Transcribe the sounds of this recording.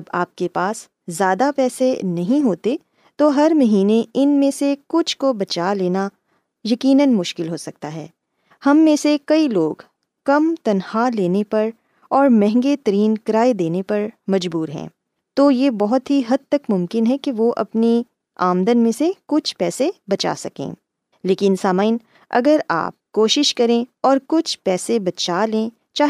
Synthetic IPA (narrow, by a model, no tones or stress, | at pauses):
ɐba̰ːp̚kepaːs | zjaːd̪apɛːsenɐɦĩɦoːt̪e | t̪oɦɐɾmɐɦiːneɪnmẽsekʊt͡ʃʰkobɐt͡ʃaːleːna | jɐkiːnənmʊʃkɪlɦoːsɐk̚t̪aɦɛ̰ː | hɐmːẽsekɐiloːɡ | kɐmt̪ɐnhaleːnepɐɾ | ɔːɾmɛ̃ɦɪ̃ŋɡet̪ɐɾiːnkɐɾaːed̪eːnepɐɾmɐd͡ʒbuːɾɦɛ̰̃ː | t̪oːjeːbɔɦʊt̪ɦiɦɐd̪̚t̪ɐkmʊmkɪnɦɛkeʋoʔɐ̰pni | a̰ːmd̪ənmẽsekʊt͡ʃʰpɛːsebɐt͡ʃa̰ːsɐkḛ̃ː | leːkɪnsaːmaːɪn | ɐ̰ɡəɾa̰ːp̚koːʃɪʃkɐɾẽɔːɾkʊt͡ʃʰpɛːsebɐt͡ʃaːlẽː | t͡ʃaːɦ